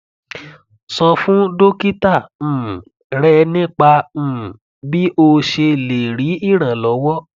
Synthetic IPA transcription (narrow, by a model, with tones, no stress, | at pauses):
sɔ̃˧fũ˦do˦ki˦tãː˦˨ | ɾɛ˦nĩ˦k͡pãː˧˨ | bi˦ʔo˧ʃe˧le˨ɾi˨˦i˦˨ɾ̃ã˨lɔ˨˦wɔ˦